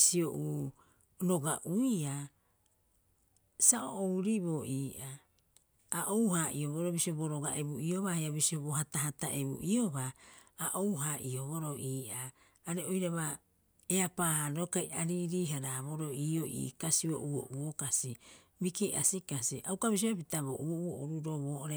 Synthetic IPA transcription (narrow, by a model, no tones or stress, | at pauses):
sioʔu | ɾoɡaʔuia | saʔo̰ʔowɾibo̞ʔiːʔaː | ʔowɦaʔioβoɾobisioboɾoɡa̰ʔebuio̞βaheaβisioboɦataɦataʔebṵʔio̞βaːʔowɦaʔio̞βoɾo̞ʔiːʔaː | ɾeojɾaβa | eapaːanokajaɾiɾiːɦaɾaβoɾo̞iːoʔḭːkasio̰ʔuo̰ʔuokasi | mikeʔa̰sikasiʔawkaβis̬iβapitaβoʔuouoʔoɾuɾoβoːʔoɾe